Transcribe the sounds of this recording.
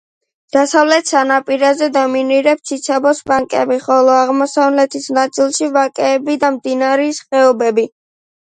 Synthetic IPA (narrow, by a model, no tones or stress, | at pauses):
d̪̥asavlɛt̪ʰsanapʼiɾazɛd̪ɔminiɾɛp̚sʰit̪sʰabɔsbaŋkʼɛ̰biχɔlˠɔaʁmɔsavlɛt̪ʰisnat̪sʼilˠʃivakʼɛːbid̪amd̪inaɾɛsχɛɔbɛbi